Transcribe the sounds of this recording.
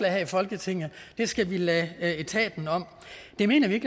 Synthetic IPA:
læhɛfɒ̽lɡ̥ət͡sʰe̝ŋ̰ð̩ˠd̥e̝sɡ̥æʋilɛe̝t͡sʰɛ̰ːd̥n̩ɒ̽m̰ | d̥e̝me̝̰ːnɐʋie̝ɡ̥

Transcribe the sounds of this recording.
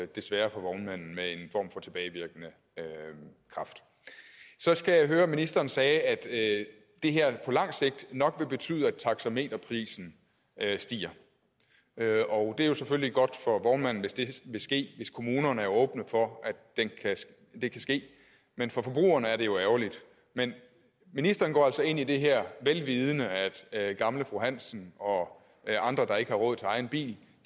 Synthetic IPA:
d̥e̝sʋæːɐfɒʋɒʊnmæn̰n̩mee̝nfɒ̰ːmfɒ̽t͡sʰe̝b̥ɛːɪʋiɐɡ̥ənə | kʰʁɑ̈fd̥ | sɒ̽sɡ̥æjɑ̈ɪɦøːɐminisd̥ɐːnsɛːæd̥ | d̥e̝ɦeɐ̰pʰɒ̽lɑ̈ŋ̰se̝ɡ̥̚d̥nɒ̽ɡ̥ʋe̝b̥e̝t͡sʰy̰ːðˠæ̥t͡sʰɑ̈ɡ̥sæme̝̰ːd̥ɐpʰʁḭːsn̩ | sd̥ḭːɐ | ɒ̽ʊd̥e̝æɐjo̝sefølliɡ̥ɒ̽d̥fɒ̽ʋɒʊnmæn̰n̩ʋe̝sd̥e̝ʋe̝sɡ̥e̝̰ːʋe̝skʰo̝muːnɐnəæɐjoɔ̽ːb̥nəfɒ̽ʔæd̥enkʰæ | d̥e̝kʰæsɡ̥e̝̰ː | menfɒ̽fɒ̽b̥ʁṵːɐnəæɐɾe̝jo̝æʊɐlid̥ | men | minisd̥ɐːnɡɒ̰ːælsɒ̽e̝n̰id̥e̝ɦeɐ̰ʋelʋiːð̞ˠənəæd̥ɡ̥ɑ̈mləfʁoɦæn̰sn̩ɒ̽ | ɑ̈nd̥ʁɐd̥ɑ̈e̝ɡ̥əhɑ̈ʁɔ̽ð̩̰ˠt͡sʰe̝ɑ̈ɪn̩b̥ḭːl

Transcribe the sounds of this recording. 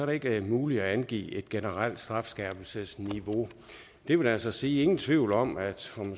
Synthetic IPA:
ɒɐɾee̝ɡ̥əæɐmuːliæænɡ̥ḭːe̝d̥ɡ̥enəʁɑl̰d̥sd̥ʁɑ̈fsɡ̥ɛːb̥l̩səsniʋo̝ | d̥e̝ʋe̝̥ælsɐsiːe̝ŋn̩t͡sʰʋiʊ̰lɒ̽mæd̥ɒ̽m

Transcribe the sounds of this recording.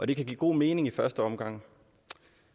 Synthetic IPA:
ʔɒ̽ɾ̥e̝kʰæɡ̥ḭːɡ̥o̝̰ːme̝ːne̝ŋifɶɐsd̥əɒ̽mɡ̥ɑ̈ŋ̰

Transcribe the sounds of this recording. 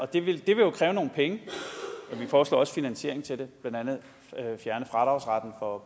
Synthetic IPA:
ʔɒ̽d̥e̝ʋe̝ld̥e̝ʋe̝jo̝kʰʁɛːʊno̝ːn̩pʰeŋə | ɒ̽ʋifɒːslɒ̰ːɒ̽sfinænɕe̝ɐeŋ̩t͡sʰe̝d̥e̝b̥lænd̥ænð̩ˠ | fjæɐnəfʁɑ̈d̥ʁɑ̈ʊsʁɑd̥n̩fɒ̽

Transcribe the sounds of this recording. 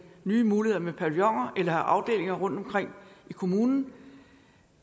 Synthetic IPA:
nyːmuːlihe̝ð̰ˠɐmepʰæɐljɒŋ̰ɐʔelɐʔɑ̈ʊd̥e̝̰ːle̝ŋɐʁɔ̽n̰d̥ɒ̽mkʰʁeŋ̰ikʰo̝muːnn̩

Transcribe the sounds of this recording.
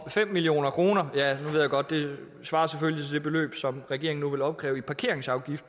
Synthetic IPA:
fem̰ːilio̝̰ːnɐkʰʁo̝ːnɐjænuʋeð̰ˠjaɡ̥ɒ̽d̥ːe̝ | sʋɑ̈ːɐseføljit͡sʰed̥e̝b̥e̝lø̰ːb̥sɒ̽mʁɛɡ̥e̝̰ɐeŋn̩nuʋe̝lɒ̽b̥̚ɡ̥ʁɛ̰ːʊipʰɑ̈kʰe̝ɐeŋsɑ̈ʊɡ̥ifd̥

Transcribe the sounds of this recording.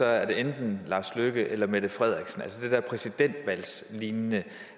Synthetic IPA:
ɒ̽æɐd̥e̝end̥n̩lɑ̈sløɡ̥əʔelɐmed̥əfʁɛð̞̰ˠʁiɡ̥sn̩ælsəd̥e̝d̥ɛɐpʰʁɛsid̥en̰d̥ʋæl̰sliːnːə

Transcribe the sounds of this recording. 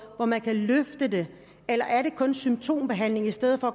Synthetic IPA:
ʋɒmænkʰæløfd̥əd̥e̝ | elɐʔæɐɾe̝kʰɔ̽nsym̥t͡sʰo̝̰ːmb̥e̝ɦæn̰le̝ŋisd̥eð̞̰̩ˠfɒ̽

